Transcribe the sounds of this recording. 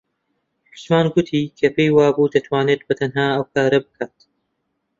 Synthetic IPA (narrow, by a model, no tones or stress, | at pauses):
ħʊt̪maːnɡʊt̪ʰiːkʰɐpejwaːbud̪ɐt̪ʰwaːneːt̪̚bɐt̪ʰɐnɦaːɐwkʰaːɾɐbɨkʰaːt̪